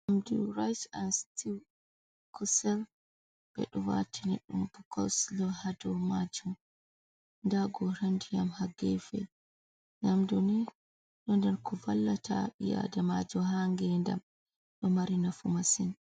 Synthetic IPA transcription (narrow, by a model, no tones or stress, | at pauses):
amdṵɾajsanstiw | kʰɔsɛl | b̥ɛ̰ɗɔwa̰tʰinɛɗːumbukʰɔ̰wslɔhadɔmad͡ʒum | ndaɡɔɾandijamhaɡɛfɛ̰ | namdɔnɛ | ɗɔndɛɾkʰɔvalːatʰaɓija̰damad͡ʒɔhaŋɡɛnda̰m | ɗɔmaɾinafumasin